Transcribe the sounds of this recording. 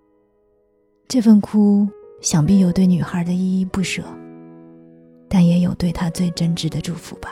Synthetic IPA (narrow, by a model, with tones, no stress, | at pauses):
ʈ͡ʂɤ˥˧fə˥˩nkʰu˥ɕjɑ˨˩ŋpi˥˩jo˨˩ʊt̪we˥˩ɪny˨˩xə˞˧˥d̪ə˧i˥˧i˥˧pu˥˩ʂɤ˨˩˦ | t̪a˥˩njɛ˧˥jo˨˩ʊt̪we˥˩ɪt̪ʰa˥t͡swe˥˩ɪʈ͡ʂə˥nʈ͡ʂɻ̩˧˥d̪ə˧ʈ͡ʂu˥˩fṵ˧˥˦b̥ɐ˦